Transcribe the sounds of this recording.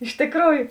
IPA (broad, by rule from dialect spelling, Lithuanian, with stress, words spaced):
ɪʃ tʲɪkˈruːjʊ